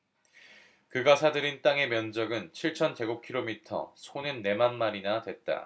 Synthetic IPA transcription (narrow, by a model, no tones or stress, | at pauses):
kɯɡasʰadɯɾint͈aŋe̞mjʌnd͡ʑʌɡɯnt͡ɕʰiɭt͡ɕʰʌnpe̞ɡukʰiɾomitʰʌ̰sʰonɯnːe̞manmaɾinadwe̞t̚t͈a̰